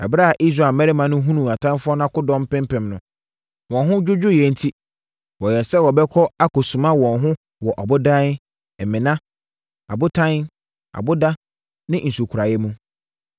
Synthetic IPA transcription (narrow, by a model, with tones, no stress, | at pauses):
a̰˨bɾa˦a˨ʔi˦s̬ɾa˨mɛ˦ɾɪ˦mã˨nʊ̃˦ɦũ˦nũ˨a˨tʰã˦n˦fʊ˦ɔ˦n˦ã˦kʊ˦dɔ̃˦m̩˦pɪ̃˦mpɪ̃˨mnʊ̃˨ | wɔ̃˨nɦʊ̃˦d͡ʑᶣʊ˦d͡ʑᶣʊ˦jɛ˨n̩˦tʰi˦ | wɔ˨jɛ˨sɛ˦wɔ˨bɛ˦kʰɔ˦a˦kʊ˨sũ˨mã˦wɔ̃˨nɦʊ̃˦ | wɔ˨ʔɔ˨bʊ˦dã˦n˦ | m̩˨mɪ̃˨nã˦ | a̰˨bʊ˦tʰã˦n | a̰˨bʊ˦da˦ | nɪ̃˦n̩˨su˨kʰʊ˨ɾa˨jɛ˦mũ˦